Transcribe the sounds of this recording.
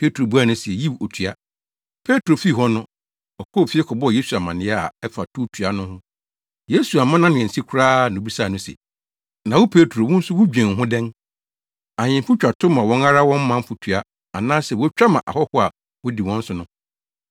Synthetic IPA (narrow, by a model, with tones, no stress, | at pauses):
pʰe˦tʰu˨ɾo˨bu˦a˦˨nʊ̃˦si˨ɛ˨ji˦wo˨tʰɥa˦ | pʰe˦tʰo˨fi˦˨ɦɔ˦nʊ̃˦ | ɔ˨kʰɔː˦˨fi˦ɛ˦kʰɔ˨bɔ˦ɔ˨je˦su˨a˨mã˨nɪ̃˨˦ɛ˦a˨ɛ˦fa˨tʰu˦tʰu˨a˦nʊ̃˦hʊ̃˦ | je˦su˨a˨mã˦nã˦nɪ̃˨ɛ̃˨n̩˨si˦kʰʊ˦ɾaː˦nʊ̃˨˦bi˦sa˦˨nʊ̃˦sɛ̰˨ | nã˨wʊ˦pʰe˦tʰɾo˨wʊ̃˦n̩˦sʊ˦wʊ˦d͡ʑᶣɛ̃˨n˨ɦʊ̃˦dɛ̃˦n | a˨ɲɪ̃˨mfʊ˦t͡ɕᶣa˨tʰʊ̃˦mã˨wɔ̃˦na˦ɾa˦wɔ̃˦mː˦ã˦m˦fʊ˨tʰɥa˦ | a˨nãː˦sɛ˨wɔ˦t͡ɕᶣa˦mã˨ʔa̰˨hɔ˦hʊ˦a˨ | wʊ˦di˨wɔ̃˦n̩˦sʊ˨˦nʊ̃˦